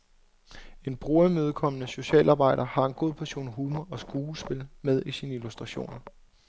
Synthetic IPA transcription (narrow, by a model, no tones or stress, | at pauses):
e̝nb̥ʁuːɐmøð̞̩ˠkʰɒ̽mənəso̝ɕɛ̰ːlʔɑ̈ːb̥ɑ̈ɪ̰ɾ̥ɐhɑ̈e̝nɡ̥o̝ð̞̰ˠpʰæɐɕo̝̰ːnɦuːmɐɒ̽sɡ̥uːlsb̥e̝lmeð̞ˠisiːnəilusd̥ʁɑ̈ɕo̝̰ːnɐ